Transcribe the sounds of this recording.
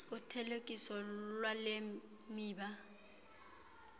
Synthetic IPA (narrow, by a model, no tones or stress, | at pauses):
ʊtʰɛlekʼisɔlwale | miːba